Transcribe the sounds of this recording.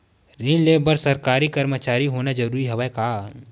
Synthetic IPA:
ɾinleːbəɾsɐɾkaːɾikɐɾmət͡ʃaːɾiɦoːnad͡ʒɐɾuːɾiɦɐʋɛkaː

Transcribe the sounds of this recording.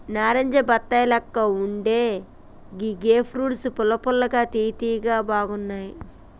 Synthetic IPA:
naːɾɐɲd͡ʒɐbɐt̪ːɐjɐlɐkːɐuɳɖeː | ɡiɡeːpʰɾuːɽsupʊlɐpɔlːɐɡaːt̪iːt̪iːɡaːbaːɡunːaːji

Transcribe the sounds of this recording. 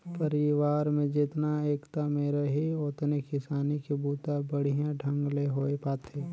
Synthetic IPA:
pəɾɪʋaːɾmẽd͡ʒɪt̪naeːkt̪ameːɾeɦiʊt̪nekɪsaːnikebuːt̪abəɽ̤ijãɖʱɐ̃ŋɡleɦoːepaːt̪ʰeː

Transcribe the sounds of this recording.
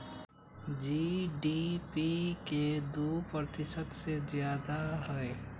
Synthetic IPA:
d͡ʒiɖipiked̪upɾət̪ɪsət̪sezjaːd̪aɦəe

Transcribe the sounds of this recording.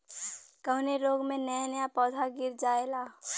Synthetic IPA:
kəɦneɾoːɡmẽnənəjapɔːd̪ʱaɡɪɾd͡ʒaːelaː

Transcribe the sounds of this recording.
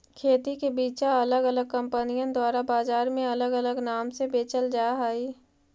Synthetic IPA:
kʰeːt̪ikebiːt͡ʃaɐləɡələɡ̚kə̃mpənijə̃d̪waːɾabaːzaːɾmẽɐləɡələɡnaːmsebeːt͡ʃəld͡ʒaːɦaːiː

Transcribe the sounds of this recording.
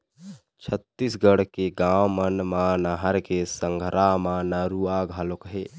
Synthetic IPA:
t͡ʃʰət̪ːisɡəɽkeɡaːwmənmanaɦəɾkesəŋɡʱɾamanəɾuaɡʱalokɦeː

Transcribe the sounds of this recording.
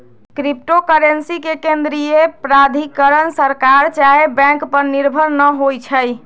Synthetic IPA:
kɾip̚ʈokəɾensikekend̪ɾijepɾad̪ʱikəɾənsəɾkaɾt͡ʃaɦebɛ̃ŋkpəɾniɾbʱəɾnəɦojt͡ʃʰəj

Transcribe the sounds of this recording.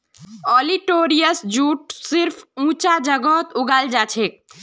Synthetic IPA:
ɔliʈoːɾijəsd͡ʒuːʈ̚sɪɾpʰũːt͡ʃad͡ʒəɡɔt̪ʊɡald͡ʒat͡ʃʰek̚

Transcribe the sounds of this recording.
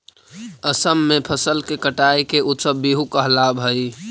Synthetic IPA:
əsəmːepʰəsəlkekəʈaikeut̪səbːiɦukəɦlabʱəj

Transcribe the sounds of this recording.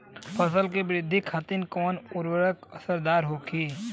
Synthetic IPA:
pʰəsəlkebɾɪd̪ʱːikʰat̪inkɔːnʊɾwəɾəkəsəɾd̪aːɾɦokʰi

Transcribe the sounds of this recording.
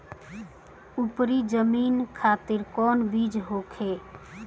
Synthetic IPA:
upɾid͡ʒəmiːnkʰaːt̪ɪɾkɔːnbid͡ʒɦoːkʰe

